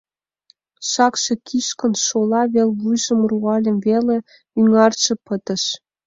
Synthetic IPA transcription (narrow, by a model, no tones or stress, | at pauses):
ʃɑkʃĕkʰiʃkə̆nʃolɑβelβujʒə̆mruɑlʲə̆mvele | yŋɑrʃĕpət̪ə̆ʃ